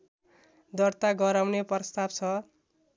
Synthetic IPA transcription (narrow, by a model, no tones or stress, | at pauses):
d̪ʌrt̪aɡʌɾawnepʌst̪abt͡sʰʌ